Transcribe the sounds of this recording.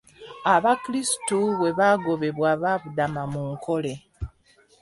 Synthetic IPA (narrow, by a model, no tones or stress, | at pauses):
aβakiɾisi̥tuβe̞βaːɡo̞βe̞βwaβaːβudamamuŋkʰo̞le̞